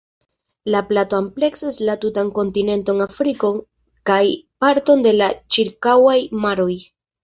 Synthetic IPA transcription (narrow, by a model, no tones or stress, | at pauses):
laplato̞ample̞ksaslatutaŋko̞ntine̞nto̞ŋafɾiko̞ | kajpaɾto̞nde̞lat͡ʃiɾkawajmaɾo̞j